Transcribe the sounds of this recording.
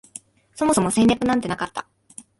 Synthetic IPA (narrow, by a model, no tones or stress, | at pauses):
so̞mo̞so̞mo̞sẽ̞ɲʲːjakɯ̟nãnt̪e̞nakat̪ːa